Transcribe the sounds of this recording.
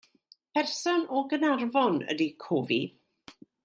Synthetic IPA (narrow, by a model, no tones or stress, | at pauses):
pʰɛrsɔnɔɡənarvɔnə̰dikʰoːvi